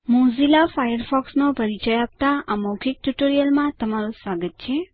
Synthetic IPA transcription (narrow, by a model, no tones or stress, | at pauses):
mũzilafajəɾfɔksnõpəɾit͡ʃəjap̚t̪aaməwkʰik̚ʈuʈoɾijəlmãt̪əmaɾũsʋaɡət̪̚t͡ʃʰe